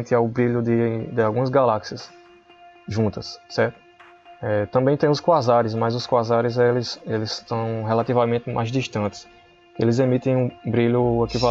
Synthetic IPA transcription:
t̪ɪawbɾiʎʊd̪ɪd̪ɪawɡũmɐzɡalaksiɐs | ʒũnt̪ɐssɛɾt̪ʊ | ɛt̪ɐ̃mbẽj̃t̪ẽj̃ʊskwazaɾɪsmɐjzʊskwazaɾɪzelɪselɪst̪ɐ̃w̃ɦelat̪ivɐmẽt̪ɪmʔajzd̪iʃt̪ɐ̃nt̪ɪ̥s | elɪzemit̪ẽj̃ũbɾiʎʊekiva

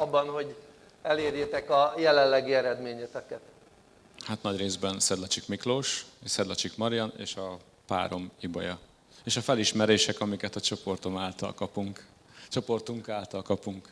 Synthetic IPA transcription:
ɒbːɒnho̞ɟ | ɛleːɾjet̪ɛkɒjɛlɛllːɛɡiɛɾɛd̪meːɲɛt̪ɛkɛt̪ | hat̪nɒɟreːzbɛnsɛd̪lɒt͡ʃikmikloːʃsɛd̪lɒt͡ʃikmɒɾijɒnḛːʃɒ | pa̰ːɾo̞mibɒ̰jɒ | eːʃɒfɛliʃmɛɾeːʃɛkɒmikɛt̪ɒt͡ʃo̞po̞rt̪o̞maːlt̪ɒ̰lkɒpuŋk | t͡ʃo̞po̞rt̪uŋkaːlt̪ɒlkɒpuŋk

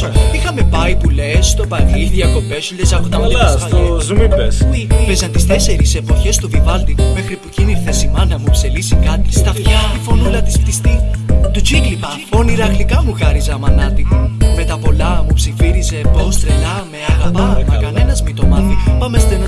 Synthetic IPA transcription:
ixɐme̞pɐipule̞st̪o̞pɐɣiðjɐko̞pesuʎezɐkot̪ɐmlsɐzumibespezɐnt̪ist̪e̞se̞ɾise̞po̞çe̞st̪uvivɐld̪imexɾipuciniɾθesimɐnɐmupselisikɐt̪i̥st̪ɐfçɐt̪ifo̞nulɐt̪i̥spt̪ist̪it̪ut͡ʃiɡlipɐ | o̞niɾɐɣlikɐmuɣɐɾizɐmɐnɐt̪imme̞t̪ɐpo̞lɐmupsifiɾize̞bo̞st̪ɾelɐmeɐɣɐpɐmɐkɐne̞nɐzmit̪o̞mɐθipɐmest̪enɐ

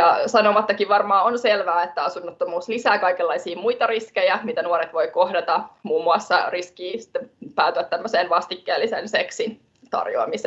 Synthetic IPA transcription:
jɑsɑnomɑt̪ːɑkiʋʋɑrmɑːonselʋæːet̪ːæɑsunːot̪ːomuːslisæːkɑikelːɑisiːmujt̪ɑriskejæmit̪ænuoɾet̪ʋo̞jko̞hdɑt̪ɑmuːmːuɑsːɑriskiːsi̥t̪ːepæːt̪yʋæt̪t̪ːæmːøsenʋɑst̪ikːeːlːisenseksin | t̪ɑ̰rjo̰ɑ̰mise

